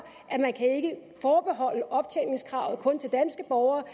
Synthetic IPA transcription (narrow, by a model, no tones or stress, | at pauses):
ʔæmænkʰæe̝ɡ̥əfɒːb̥e̝ɦɒ̽l̰əɒ̽b̥̚t͡sʰeneŋskʰʁɑ̈ʊð̞̩ˠkʰɔ̽nt͡sʰe̝ld̥ænsɡ̥əb̥ɒʊɐː